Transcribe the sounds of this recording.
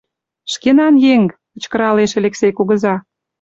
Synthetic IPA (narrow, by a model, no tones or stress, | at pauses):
ʃkenɑnjeŋpə̆t͡ɕkə̆ɾɑleʃelʲeksejkuɣə̆zɑ